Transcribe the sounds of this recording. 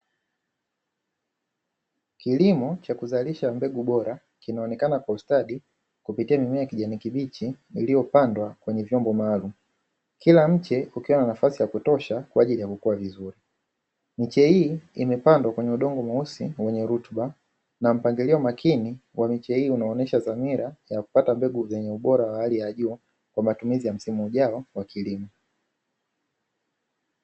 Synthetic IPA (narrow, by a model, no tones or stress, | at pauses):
kilimɔt͡ʃakuzaliʃambɛɡuɓɔɾa | kinaɔnɛkanakwaustaɗi | kupitiamimɛjakiʄanikiɓit͡ʃi | ilijɔpandwakwɛɲɛvjɔmbɔmalum̩ | kilam̩t͡ʃɛukiɔnanafasijakutɔʃakwaːʄilijakukuavizuɾi | mit͡ʃɛhiːimɛpandwakwɛɲɛuɗɔŋɡɔmausiwɛɲɛɾutɓa | nam̩paŋɡiliɔmakʰiniwʔamit͡ʃɛhiːunaɔnɛʃazamiɾajaku̥patambɛɡuzɛɲɛuɓɔɾawaalijaʄuː | kwamatumizijam̩simuːʄaɔwakʰilimɔ